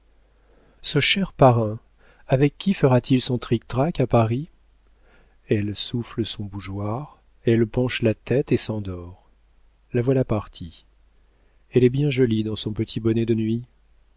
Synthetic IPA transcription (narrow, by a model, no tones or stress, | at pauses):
səʃɛʁpaʁɛ̃ | avɛkʲːifəʁat̪ʰilsɔ̃t̪χik̚t̪ʁakapaʁi | ɛlsufləsɔ̃buʒwaʁ | ɛlpɑ̃ʃlat̪ɛt̪esɑ̃d̪ɔʁ | lavwalapaʁt̪ʰi | ɛlɛbjɛ̃ʒɔlid̪ɑ̃sɔ̃pət̪ʰibɔnɛd̪ənɥi